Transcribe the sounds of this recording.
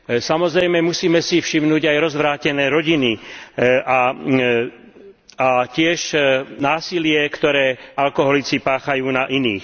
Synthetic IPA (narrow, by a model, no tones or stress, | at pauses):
samɔzɾɛjmɛmusiːmɛsifʃimnuːɟajɾɔzʋɾaːcɛnɛːɾɔɟiniʔa | acɪɛʃnaːsilɪɛkt̪ɔɾɛːalkɔɦɔlit͡sipaːxajuːnaʔinḭːx